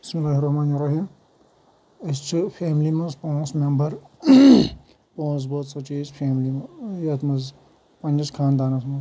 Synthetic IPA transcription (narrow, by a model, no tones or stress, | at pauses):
bɪsmilːaːɦiɾɐhmaːnɐɾːɐɦiːm | ɐst͡ʃʰɨfʰeːmlimɐnspõːnsmembɐɾ | põːs̬boːt̪sɐt͡ʃiːzpʰeːmlimɐjɐt̪mɐz | pɐnʲd͡ʒɐskʰaːnd̪aːnɐsmɐ̃z